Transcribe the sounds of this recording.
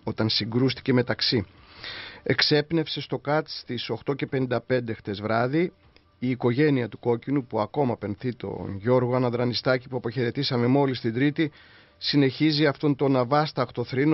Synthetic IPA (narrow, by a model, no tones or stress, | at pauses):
o̞t̪ɐnsiɡɾust̪i̥ce̞me̞t̪ɐksi | e̞kse̞pne̞fse̞st̪o̞kɐt̪st̪iso̞xt̪o̞ce̞pe̞nind̪ɐpe̞nd̪ext̪e̞zvɾɐði | iːko̞ʝe̞niɐt̪uko̞cinupuɐko̞mɐpe̞nθit̪o̞̰nʝo̞ɾɣo̞ɐnɐðɾɐnist̪ɐcipuɐpoçe̞ɾe̞t̪isɐme̞mo̞list̪ind̪ɾit̪i | sine̞çiziɐft̪o̞nt̪o̞nɐvɐst̪ɐkt̪o̞θɾin